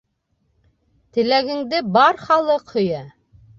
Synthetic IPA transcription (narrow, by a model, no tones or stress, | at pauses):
t̪ɘ̆læɡɘ̆ŋd̪ɘbɑɾχɑlˠɤqhɵ̆jɑ